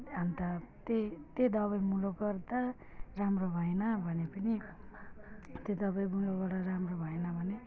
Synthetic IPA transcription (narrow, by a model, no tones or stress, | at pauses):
ɦant̪at̪et̪ed̪ʌβʌjmuloɡʌrd̪a | ramrobʱʌenʌbʱʌnepʌni | t̪ed̪ʌbʌjmulobaɽʌɾamrobʱʌenʌbʱʌne